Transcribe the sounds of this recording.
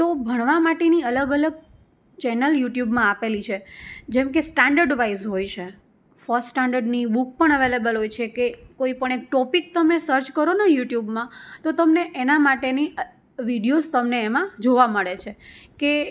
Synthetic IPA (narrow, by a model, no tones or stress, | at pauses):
t̪obʱəɽ̃ʋamaʈeniələɡələɡ̚ | t͡ʃɛnəljuʈjubmãapelit͡ʃʰed͡ʒɛmkesʈãɳɖəɾɖʋaizɦojt͡ʃʰe | fɔssʈaɳɖəɾɖnibuk̚pəɳ̃əʋelebəlɦojt͡ʃʰekekoipəɳ̃ek̚ʈɔpik̚t̪əmesəɾt͡ʃkəɾonajuʈjubmãt̪ot̪əmneʔenamaʈeni | ʋiɖijost̪əmneːmãd͡ʒoʋaməɭet͡ʃʰeke